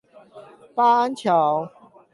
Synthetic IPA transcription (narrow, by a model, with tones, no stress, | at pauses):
pa˦a˦nt͡ɕʰjɑ˨˦ʊ